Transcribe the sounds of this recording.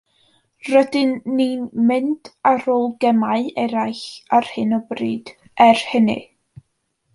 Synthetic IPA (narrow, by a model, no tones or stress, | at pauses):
rədɪnːinmɪntʰaɾoːlˠɡɛmaɨɛɾajɬar̥hɪnɔbriːd̥ | ɛrhənɨ̰